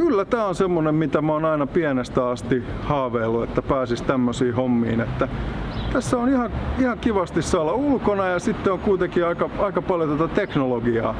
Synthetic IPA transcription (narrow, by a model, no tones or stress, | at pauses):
kylːæt̪æːonsemːonemmit̪æmæoːnɑinɑpiænest̪æɑst̪ihɑːʋeːlːuet̪ːæpæːsist̪æmːøsiːhomːḭːnet̪ːæt̪æsːæonihɑihɑŋkiʋɑst̪issɑːlɑulkonɑjɑsit̪ːeoŋkuit̪ekiɑikɑɑikɑpɑljot̪ot̪æt̪eknoloɡiɑ̰ː